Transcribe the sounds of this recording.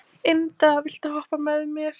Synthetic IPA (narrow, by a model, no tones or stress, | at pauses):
ɪnt̪avɪɬt̪ahɔhpamɛðmjɛɾ̥